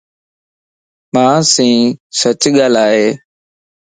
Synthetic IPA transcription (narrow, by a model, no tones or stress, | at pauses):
mãːsĩːsət͡ʃɠaːlaːɦeː